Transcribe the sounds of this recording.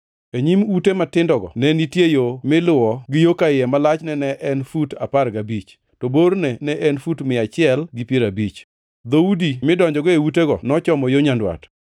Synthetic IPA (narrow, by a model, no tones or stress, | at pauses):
eɲimutematɪndɔɡɔ̰nɛnitjejomɪlʊɔɡɪjokaɪjɛmalat͡ʃnɛnɛʔɛnfutapaɾɡabit͡ʃ | tɔboɾnɛnɛʔɛnfutmɪat͡ʃɪɛlɡɪpjeɾabit͡ʃ | d̪oudimɪdɔɲd͡ʒɔɡɔeuteɡɔnɔt͡ʃɔmɔjoɲandwa̰t